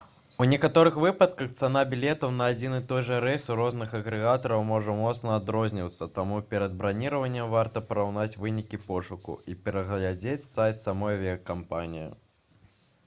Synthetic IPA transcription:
unʲɛkat̪ɔɾɨxvɨpɐt̪̚kɐxt̪san̪abʲilʲɛt̪ɐwnɐːd͡zʲinɨt̪ɔjʐɐɾɛsuɾɔznɨxɐɣɾɛɣat̪ɐɾɐwmɔʐɐmɔt̪snɐːd̪ɾɔzʲnʲiwt̪sːɐt̪amupʲɛɾɐd̪̚bɾanʲiɾɐvɐnʲːɛmvart̪ɐpɐɾawnat͡sʲvɨnʲikʲipɔʂukṵipʲɛɾɐɣlʲad͡zʲet͡sʲsajt̪samɔjvʲɛɐkampa̰nʲijḭ

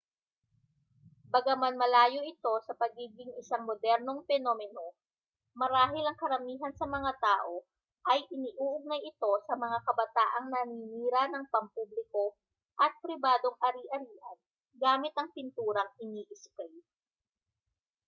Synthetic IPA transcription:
bɐɡɐmɐnmɐlaːjo̞ʔɪt̪o̞sɐpɐɡiːɡɪŋɪsaŋmod̪ɛɾno̞ŋpɛnoːmɛno̞ | mɐɾaːɦɪlɐŋkɐɾɐmiːɦɐnsɐmɐŋat̪aːʔo̞ | ʔɐjʔɪniːʔuːʔʊɡ̚nɐjɪt̪o̞sɐmɐŋakɐbɐt̪aːʔɐŋnɐniːniːɾɐnɐŋpɐmpublɪko̞ | ʔɐt̪̚pɾɪbaːd̪o̞ŋʔɐɾiːʔɐɾiːʔɐn | ɡaːmɪt̪ɐŋpɪnt̪uːɾɐŋɪniːʔɪskɛj

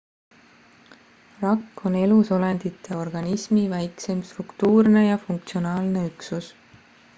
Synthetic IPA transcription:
rɑkːˑo̞ne̞luso̞lend̪̥it̪ːˑe̞o̞rɡ̥ɑnismivæjkse̞mst̪rukt̪uːrne̞jɑfuŋk̚t̪sio̞nɑːlne̞yksus

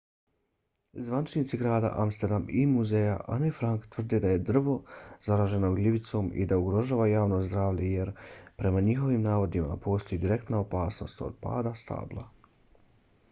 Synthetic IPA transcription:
zʋanit͡ʃnit̪siɡɾaːd̪a̰ʔamst̪eɾd̪amimuzeja̰ʔa̰nefɾaŋkt̪ʋr̩d̪ed̪aje̞d̪r̩ʋo̞z̥aɾaːʒe̞noɡlʲiʋit̪so̞ːmḭd̪auɡɾo̞ʒaːʋajaːʋnozd̪ɾaːʋʎeje̞ɾpɾe̞maɲixo̞ʋiːmnaːʋo̞d̪ima̰po̞ːst̪o̞jid̪iɾe̞kt̪naopaːsno̞̰st̪o̰d̪̥̚pa̰ːd̪ast̪a̰ːblˠa̰

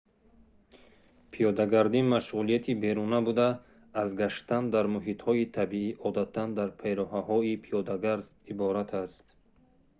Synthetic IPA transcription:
pʰijɔd̪aɡaɾd̪imaʃʁulijat̪ʰibe̞ɾunabud̪aː | zɡaʃt̪and̪aɾmuɦit̪hɔit̪ʰabiiʔɔd̪at̪ʰːand̪aɾpʰejɾɔɦahɔipʰijɔd̪aɡaɾd̪ | ibɔɾat̪ʰast̪

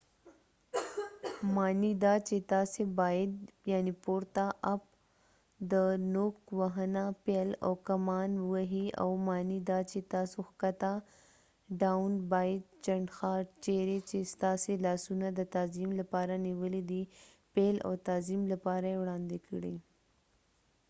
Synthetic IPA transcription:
mɑːnid̪at͡ʃet̪aːsebajɪd̪jaːnipoɾt̪aʔap̚ | d̪ənokwaɦənapelo̰wkɐmɑːnwəɦia̰wmɑːnid̪at͡ʃet̪aːsoxkɐt̪a | ɖanbajd̪̚t͡ʃɐɳɖxɑɾt͡ʃeɾet͡ʃest̪ɑːselɑːsunad̪ət̪aːzimlapɑːɾaniwəlid̪i | pela̰wt̪aːzimlapɑːɾaewɽɑːnd̪ekɽi

